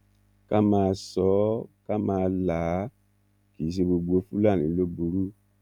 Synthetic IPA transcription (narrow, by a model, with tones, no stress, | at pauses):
ka˦mãː˧sɔ˨˦ka˦mãː˧la˨˦ | ki˨˦s̬e˧bo˧ɡ͡bo˧˦fu˦la˦˨nĩ˨˦lo˦bu˧ɾu˦